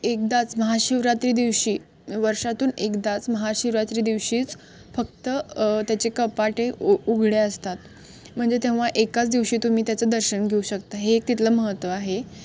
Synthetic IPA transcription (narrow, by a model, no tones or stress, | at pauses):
ek̚d̪at͡sməɦaɕiʋɾat̪ɾiːd̪iʋɕiː | ʋəɾʂat̪uːnekd̪at͡sməɦaɕiʋɾat̪ɾiːd̪iʋɕiːt͡s | fək̚t̪ət̪jat͡ɕekəpaʈeuɡʱɽeəst̪at̪̚ | m̤əɳd͡zet̪ẽʋ̤aʔekat͡sd̪iʋɕiːt̪um̤iːt̪jat͡səd̪əɾɕənɡʱeuɕəkt̪aɦeːk̚t̪it̪ləməɦət̪ʋəaɦe